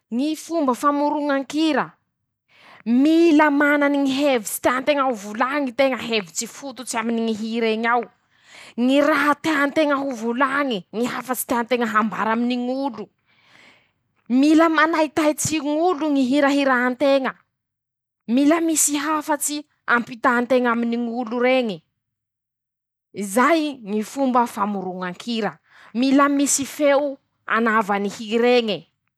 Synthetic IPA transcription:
ŋifumbəfamuɾuŋaŋkiɾə | miləmananiŋiɦevit͡si̥t̪eant̪eŋaɦuvulaŋit̪eŋəɦevit͡sifut̪ut͡siaminiŋiɦiɾeɲaw | ŋiɾaɦat̪eant̪eŋəɦuvulaŋiŋiɦafət͡si̥t̪eant̪eŋəɦamba̰ɾaminiŋulu | miləmanajt̪ajt͡siŋuluŋiɦiɾaɦiɾaant̪eŋə | miləmisiɦafat͡si | ampit̪aːnt̪eŋaminiŋuluɾeŋi | izajŋifumbəfamuɾuŋaŋkʰiɾə | miləmisifew | a̰navanihiɾeŋi

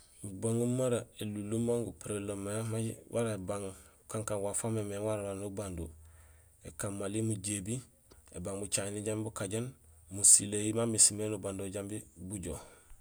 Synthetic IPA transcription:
ubaŋumaɾaelulːumaŋɡupiɾelomajamawʔaɾaebaŋ | kaŋkaŋwafamemeŋwaɾawaɾnubando | ekamːalimuɟebi | ḛbaŋbut͡ʃaniɟambibukaɟanmusilejimamisimenubandoɟambibuɟo

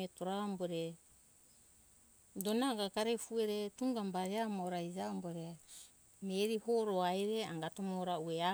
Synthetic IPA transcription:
etoɾaomboɾe | do̞naɡakaɾefueɾetuŋɡambaɾeamooɾaid͡ʒaomboɾe | meɾihoɾoajɾeaŋɡatomoɾauea

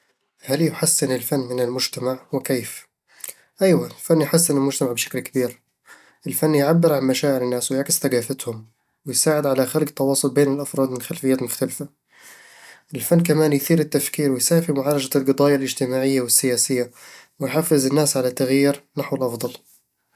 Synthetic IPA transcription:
haljʊħasːɪnɪlfanːmɪnɪlmʊd͡ʒt̪amaʕwɪkeːf | ʔajwalfanːjħasːɪnɪlmʊd͡ʒt̪amaʕbʃḁklkabiːɾ | ʔɪlfanːjʕabːɪɾʕanmaʃaːʔɪlɪnːaːswɪjaʕkɪsθaɡaːfat̪hʊm | wɪjsaːʕɪd̪ʕalaxalɡt̪ːɑwɑːsˤʊlbeːnɪlʔɑfɾˤɑːd̪mɪnxalfɪjːaːt̪mʊxt̪alfa | ʔɪlfanːk̬amaːnjθiːɾɪt̪ːafkiːɾwɪjsaːfimʊʕaːlad͡ʒalɡɨd̪ˤɑːjalʔɪd͡ʒt̪ɪmaːʕɪjːawɪsːɪjaːsɪjːawɪjħafːɪzɪnːaːsʕalat̪ːaɣjiːɾnaħwɪlʔɑfd̪ˤɑl

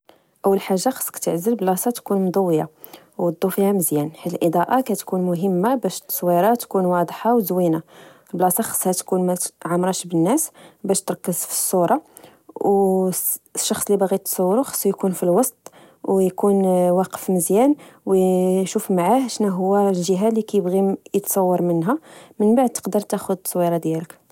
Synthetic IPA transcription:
ʔəwːəlħaʒːaxɑ̥sˤːkt̪əʕzəlblɑsˤɑt̪kunmd̪ˤəwːja̰ | wɑd̪ˤːufihæməzjænħiəlʔəd̪ˤɑʔɑkæt̪kunmʊɦəmːabæʃt̪ːsˤwiɾˤɑt̪kunwɑd̪ˤħɑwzwina | lblɑsɑxɑ̥sˤːhæt̪kunmæʕamɾˤɑʃbənːæsbæʃt̪ɾˤkːəzfi̥sˤːuɾˤɑ | w | ʃːɑxsˤlibɣit̪sˤɑwːɾuxɑ̥sˤːujkunfilwɑst̪ˤ | wjkunwɑqə̥fməzjænwʃufmaʕahʃnæɦʊwːælʒəɦalikæjəbɣijət̪sˤɑwːɑɾˤmənɦæmənbaʕd̪̚t̪ə̥qd̪əɾˤt̪æxʊd̪sˤwiɾˤɑd̪jælək

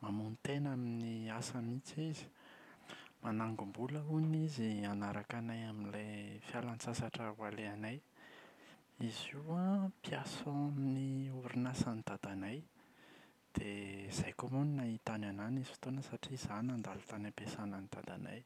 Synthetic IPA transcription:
mamunit̪enaminiasamit͡sizi̥ | manaŋɡumbuləunizianaɾakanajaminlefjalant͡sasaʈ͡ʂəwaleanaj | iziwapjasõaminiuɾinasanid̪̥ad̪anaj | d̪̥ez̥ajkomuninait̪anwananizi̥fi̥t̪onəsaʈ͡ʂiz̥anand̪alu̥t̪anapesananid̪̥a̰d̪a̰na̰j

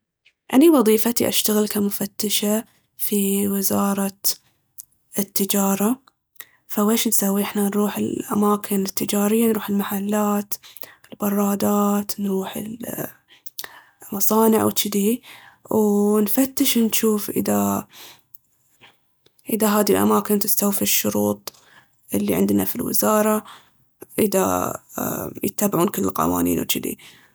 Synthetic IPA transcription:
ʔa̰niwɑðˤiːfat̪iʔa̰ʃt̪aɣɪlkamʊfat̪ːɪʃa | fiwɪzɑːɾˤɑ | ɪt̪ːɪd͡ʒɑːɾˤɑ | faweːʃnsawːiʔɪħnanɾuːħɪlʔa̰maːkʰɪnɪt̪ːɪd͡ʒaːɾɪjːanɾuːħɪlmaħalːaːt̪ɪlbɑrˤːɑːd̪aːt̪nɾuːħɪ̰l | mɑsˤɑːnɪʕwt͡ʃɪd̪iwnfat̪ːɪʃnʃuːfʔɪ̰ða | ʔɪðaɦaːðilʔa̰maːkɪnt̪ɪst̪awfiʃːʊɾuːt̪ˤ | ʔɪlːiʕɪnd̪na̰filwɪ̰zɑːɾˤɑ | ʔɪða̰ | jɪ̰t̪ːaːbɪʕuːnkɪlːɪlqɑ̰wa̰ːnḭːnwt͡ʃɪd̪ḭ

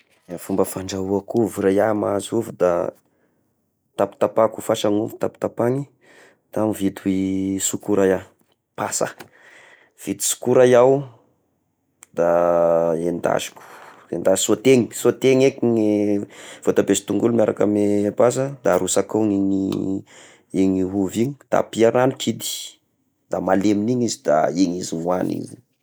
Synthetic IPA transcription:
afumbəfaɳɖ͡ʐauakuvuɾajamazuvud̪a̰ | t̪api̥t̪apakufaʃanuvu̥t̪api̥t̪apaŋi | t̪amivit̪uisukuɾaja | pasə̰ | v̥it̪i̥su̥kuɾajaw | d̪a | end̪a̰zi̥ku̥ | ḛnd̪azi̥sot̪eŋi̥sot̪eŋekiŋi | v̥ot̪abesi̥t̪uŋɡulumjaɾʔakamepas̬əd̪aɾusakoiŋi | iŋiɦuviɲi̥d̪̥a̰piaɾanukʰid̪i̥ | d̪̥amaleminiɲizid̪a̰eɲiziŋwanḭzi

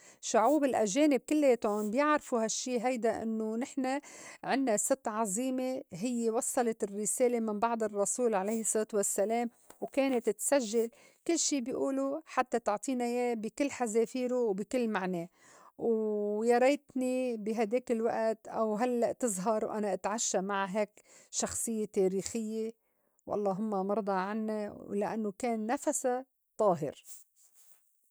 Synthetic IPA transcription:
ʃʊʕuːbɪlʔaʒeːnɪb̚kɪlːeːt̪onbjɪʕɾfuɦaʃːiːɦajd̪aʔɪ̰nːonɪħnaʕɪnːasɨt̪ːʕɑzˤiːmeɦɪjːewɑsˤːɑlɑt̪ɪrːɪseːlemɪnbɑʕd̪ˤɨrˤːɑsuːlʕalejhɪsˤːɨt̪wasːaleːm | wkeːnɪt̪t̪saʒːal | kɪlːʃiːbjʔuːluħat̪ːat̪ʊʕt̪ˤiːnajeːbikɪlːħazeːfiːɾuwbɪkɪlːmaʕneː | wjɑɾˤejt̪nibɪɦad̪eːkɪlwa̰ʔt̪ʔawɦalːaʔt̪ɨzˤɦɑɾˤwʔa̰naʔat̪ʕaʃːamaʕɦeːkʃɑxsˤɨjːet̪eːɾiːxɪjːe | wʔɑ̰lˤːɑːɦʊmːamɑɾˤd̪ˤɑʕanːalaʔa̰nːokeːnːafasa | t̪ˤɑːɦɪ̰ɾ

